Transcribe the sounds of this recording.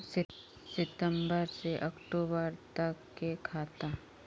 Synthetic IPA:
sɪ | sɪt̪əmbəɾseʔɐkʈoːbəɾt̪əkːekʰaːt̪a

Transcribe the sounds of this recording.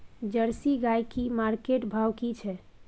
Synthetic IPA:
d͡ʒəɾsiɡajkimaɾkeʈbʱawkit͡ʃʰɛ

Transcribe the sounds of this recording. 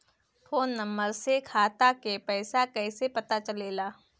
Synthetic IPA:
fʰoːnːɐ̃mbəɾsekʰaːt̪akepɛːsakɛːsepɐt̪at͡ʃɐleːlaː

